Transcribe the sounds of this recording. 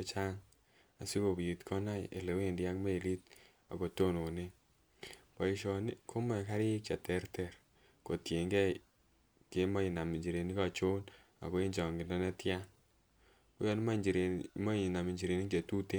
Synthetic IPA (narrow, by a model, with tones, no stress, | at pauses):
e˦t͡ʃa˦ŋ | a̰˨si˦ko˨bji˨tkʰɔ˦na̰˦ḛ˨le˨we˦˨ndja˦kme˦i˨li˦t̚ | a̰˨ko˨to˦no˨ne˦ | pɔ˨i˨ʃɔ˨ni˦kʰo˦mɛ˨ka˦ɾɪ˦kt͡ʃa˨tɛ˦ɾtɛ˨ɾ | ko˨tje˨ŋɡɛ˦ | ke˦ma˦i˨na˨mi˨ɲd͡ʒi˨ɾe˨ni˦ka˨t͡ʃo˦n | a̰˨ko˦i˦ɲd͡ʒɔ˨ŋɡɪ˨ndɔ˦nɛ˦tja˦n | kṵ˦jɔ˨˦ni˦ma˦d͡ʒi˨ɾe˨mɔ˦˨na˨mi˨ɲd͡ʒi˨ɾe˨ni˦t͡ʃe˨tu˦te˦